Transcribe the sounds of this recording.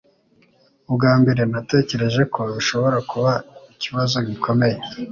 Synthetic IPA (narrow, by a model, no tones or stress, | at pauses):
ubɡaːmbe̞ɾe̞nate̞ːce̞ɾe̞ʒe̞kʰo̞iʃo̞βo̞ɾakuβaiciβazo̞ɟikʰo̞me̞je